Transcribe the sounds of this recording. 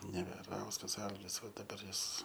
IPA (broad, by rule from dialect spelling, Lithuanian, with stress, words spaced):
nʲɛʋʲɛˈrɐʊskɐs ˈɐlʲɡʲɪs ˈʋɐ dɐˈbɐr ˈjɪs